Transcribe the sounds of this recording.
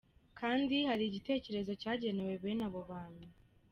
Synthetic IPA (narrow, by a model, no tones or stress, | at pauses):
kʰaːndihaɾiɟite̞ːce̞ɾe̞zo̞caːɟe̞ne̞we̞βenaβoβaːnu